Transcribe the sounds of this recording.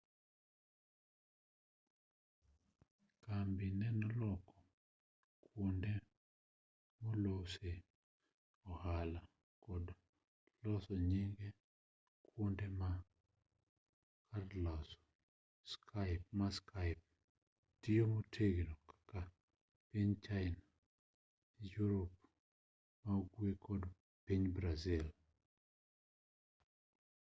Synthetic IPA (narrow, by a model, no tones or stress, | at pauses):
kambinɛnɔlɔkɔ | kʰwonde | molose | ɔhala | kɔd | lɔsɔɲiŋɡe | kwondema | kʰarlɔsɔ̥ | skʰaɪp̚maskʰaɪp̚ | tiomotʰeɡnokḁka | piɲt͡ʃaɪna | ijuɾɔp̚ | maɡwekʰɔd | piɲbɾazil